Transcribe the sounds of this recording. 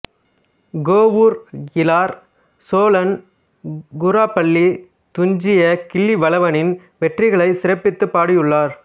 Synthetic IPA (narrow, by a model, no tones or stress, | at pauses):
ɡoːʋuɾɡɪlaːɾ | soːlɐn | ɡʊɾaːpɐɭːi | t̪ʊɲd͡ʒɪjɐkɪɭːiʋɐlɐʋɐnɪn | ʋɛʈrɪɣɐɭɐɪsɪɾɐpːɪt̪ːɯpːaːɽɪjɯɭːaːɾ